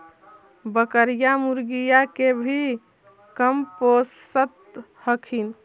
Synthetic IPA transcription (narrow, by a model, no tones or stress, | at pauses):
bəkəɾijamuɾɡijakebʱi | kəmposət̪ | həkʰin